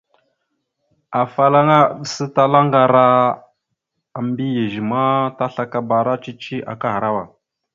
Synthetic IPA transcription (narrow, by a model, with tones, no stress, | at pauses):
a˨fa˦la˦ŋa˦˨ɗə˨sə˦ta˦la˦ŋɡa˨ɾa˦ | a˨m˦bi˦je˨ʒi˨ma˦ta˦ɬa˦ka˨ba˨ɾa˦t͡ʃi˦t͡ʃi˦ʔa̰˨ka˦ha˨ɾa˦wa˨